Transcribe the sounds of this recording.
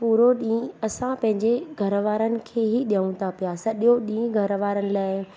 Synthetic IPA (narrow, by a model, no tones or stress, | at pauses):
puːɾoɗĩːɐsãpɐ̃ɦɪ̃ɲd͡ʑeɡʱɐɾʋaːɾənɪ̆kʰeːɦiɗjəũt̪ʰapijasɐɗioɗĩːɡʱɐɾʋaːɾənɪ̆laːɪ